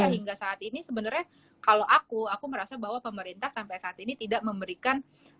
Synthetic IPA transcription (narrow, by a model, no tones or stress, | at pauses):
aɦiŋɡasaːt̪inisəbənərɲa | kalowʔakuakuməɾasabaɦwapəməɾint̪ahsampajsaːt̪init̪idaʔməmbəɾikan